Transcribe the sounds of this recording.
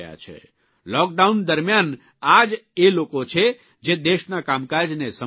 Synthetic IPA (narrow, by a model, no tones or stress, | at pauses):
ja̰t͡ʃʰɛ̰ | lɔk̚ɖaund̪əɾmjan | ad͡ʒelokot͡ʃʰe | d͡ʒed̪eʃnakamkaɾd͡ʒnesə